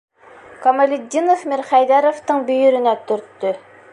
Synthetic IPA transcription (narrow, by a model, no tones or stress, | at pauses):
komɐlʲid̪ʲːinofmiɾχæjd̪æɾŏft̪ɤɴbɵ̆jɵ̆ɾɘ̆næt̪ɵ̆ɾt̪ːɵ